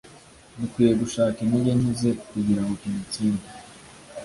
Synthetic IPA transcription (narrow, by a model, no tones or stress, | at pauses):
nikwiːjeɡuʃaːkiniɟenize̞kuɟiɾaŋɡokinit͡siːnda